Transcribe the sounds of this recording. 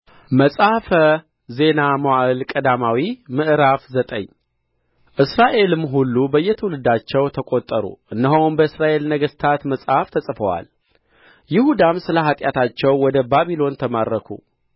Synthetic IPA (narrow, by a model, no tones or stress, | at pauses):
məsʼafə | ze̞namoaʔɨlkʼəd̪amawimɨʔɾafzət̪ʼə̰ɲː | ʔɨsɾaʔe̞lɨmɦulːubəjːɛt̪ʰəwlɨd̪at͡ʃːɛwt̪ʰəkʼot̪ʼːəɾṵʔɨnːəɦownbəɨsɾaʔe̞lnəɡəst̪ʰat̪məsʼhaft̪ʰəsʼfəwa̰l | jɪhud̪amsɨləɦat̪ʼjat̪ʰat͡ʃːɛwːɔd̪əbaβilo̞nt̪ʰəmaɾːəkʰṵ